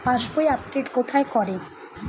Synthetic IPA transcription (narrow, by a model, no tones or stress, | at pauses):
paʃbojap̚ɖeʈkot̪ʰaekɔɾe